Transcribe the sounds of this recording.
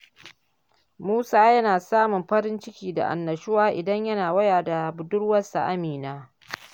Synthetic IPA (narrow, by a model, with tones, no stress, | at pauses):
muː˦saː˦jɐ˦naː˨saː˦mʊ˨mɸɐ˦ɾɪ˦nt͡ʃɪ˦kʲiː˨da̰˨ʔa̰˨nːɐ˨ʃʊ˦waː˦ʔɪ˨dɐ˦ɲjɐ˦naː˨wɐ˦jaː˨da˨bʊ˨dʊ˦rwɐ˦sa̰˨ʔa˦miː˨naː˦